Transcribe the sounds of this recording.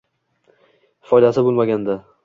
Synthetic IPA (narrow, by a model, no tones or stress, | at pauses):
fɒjd̪asɪbolˠmaɡʲand̪a